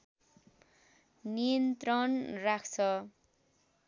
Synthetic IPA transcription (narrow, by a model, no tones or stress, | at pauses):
nijʌnt̪rʌnrakʰt͡sʰʌ